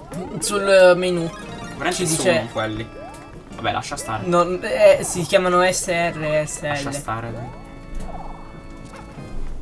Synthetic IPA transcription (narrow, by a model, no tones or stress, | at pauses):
sulmenu | vɾɛt͡ʃid̪iːt͡ʃeikwelːi | vabɛ̰lʔa̰ʃːast̪a̰ɾenonɛsikʲjaːmanoɛsːeɛrːeɛsːeɛlːet̪aɾeɛ